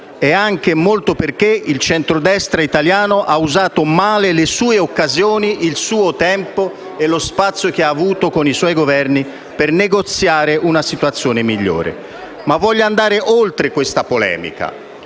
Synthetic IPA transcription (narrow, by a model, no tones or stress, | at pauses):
ɛaŋk̟emolt̪operk̟eilt͡ʃɛnt̪ɾod̪ɛst̪ɾait̪aljaːnoʔauzaːt̪omaːlelesuːeokːazjoːniʔilsuːot̪ɛmpo | ɛlospat̪sːjok̟eaːvuːt̪okoniswɔjɡovɛrni | perneɡot̪sːjaːɾɪʔunasit̪wat̪sːjoːnɪmiʎːo̰ːɾḛ | mavːɔʎːand̪aːɾeʔolt̪ɾekwest̪apolɛ̰ːmḭka̰